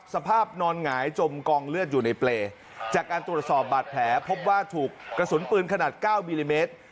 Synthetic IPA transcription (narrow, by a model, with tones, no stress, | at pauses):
sa˧pʰaː˥˩p̚nɔː˧nŋaː˩˦jt͡ɕo˧mkɔː˧ŋlɯ˥˩ət̪̚juː˨˩na˧jpleː˧ | t͡ɕaː˨˩kːaː˧nt̪ɾu˨˩ət̪̚sɔː˨˩p̚baː˨˩t̪̚pʰlɛː˩˦pʰo˦˥p̚waː˥˩t̪ʰuː˨˩kkːɾa˧su˩˦npɯː˧nkʰa˧naː˨˩t̪̚kaː˥˩wmiː˧liː˧meː˦˥t̪̚